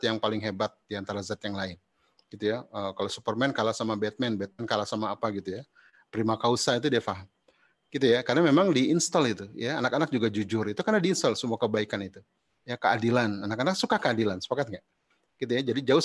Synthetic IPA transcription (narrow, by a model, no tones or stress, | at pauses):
t̪jaŋpalɪŋɦebat̪̚diant̪aɾazat̪jaŋlaɪn | ɡ̥it̪ujaəkalasupərmɛnkalasamabɛt̪̚mɛnbɛt̪̚mɛnkalasamaːpaɡit̪uja | pɾimakausait̪̬udiafaɦam | ɡ̥it̪̬ujakarnamemaŋdiinst̪ɔlit̪ujaanakanak̚d͡ʒuɡad͡ʒud͡ʒʊrit̪ukarnadiːnst̪ɔlsəmuakəbaikanit̪u | jakəadilananakanaksukakəadilansə̥pakat̪̚ŋaʔ | ɡ̥it̪ujad͡ʒadid͡ʒaʊ